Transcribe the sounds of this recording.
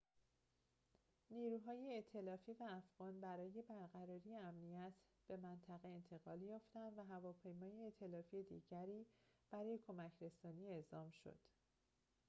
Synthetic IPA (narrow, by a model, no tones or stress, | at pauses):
niːɾuːɦɒːjeːt̪ʰe̞lɒːfiːvæːfɣ̥ɒːnbæɾɒːje̞bæɾɣæɾɒːɾiːjeæmnijæt̪ʰ | b̥e̞mænt̪ʰæɣe̞ent̪ʰe̞ɣɒːljɒːft̪ænd̪væɦævɒːpʰe̞jmɒːjeet̪ʰe̞lɒːfied̪ḭːɟæɾiːb̥æɾɒːje̞kʰo̞mæcʰɾe̞sɒːniːe̞zɒːmʃo̰d̪̥